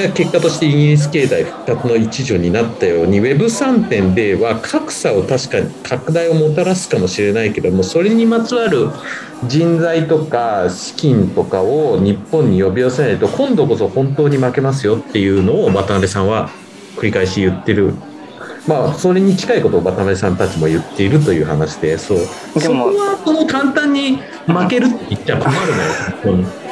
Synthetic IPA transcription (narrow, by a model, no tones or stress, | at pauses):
ake̞kːat̪o̞ɕi̥t̪e̞iŋɡiɾʲis̬ɨ̥ke̞ːt̪aiɸɯ̟̥kkːat͡sɨno̞it͡ɕiʑo̞ɲ̟inat̪ːajo̞ːɲ̟iβe̞bɯ̟sãnt̪ẽ̞nd̪e̞βakʰakɯ̟̥sao̞t̪aɕi̥kaɲ̟ikʰakɯ̟d̪aio̞mo̞t̪aɾasɨ̥kamo̞ɕiɾe̞naike̞d̪o̞mo̞so̞ɾe̞ɲ̟imat͡sɨβaɾɯ̟ | d͡ʑĩnd͡zait̪o̞kaɕi̥kʲĩnt̪o̞kao̞ɲ̟ipːõɲ̟ːijo̞bʲiase̞nait̪o̞kʰõ̞nd̪o̞ko̞so̞hõ̞nt̪o̞ːɲ̟imake̞mas̬ɨjo̞t̪ːe̞jɯ̟ːno̞ːbat̪anaɾesãɰ̃βa | kɯ̟ɾʲikaiɕjɯ̟t̪ːe̞ɾɯ̟ | maːso̞ɾe̞ɲ̟it͡ɕi̥kaiko̞t̪o̞ːbat̪anaɾesãnt̪at͡ɕimo̞jɯ̟t̪ːe̞iɾɯ̟t̪o̞jɯ̟ːhanaɕi̥d̪e̞so̞ː | sokoβaso̞no̞kãnt̪ãɲ̟ːi | make̞ɾɯ̟t̪ːeit̪ːaakomaɾɯ̟najohõ̞nt̪o̞ːɲ̟i